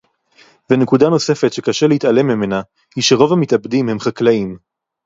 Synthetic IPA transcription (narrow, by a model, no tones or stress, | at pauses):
venekudano̞se̞fetʃekaʃeleit̪ale̞mːime̞na | hiʃeʁo̞vhamit̪abd̪imhe̞mχaklaim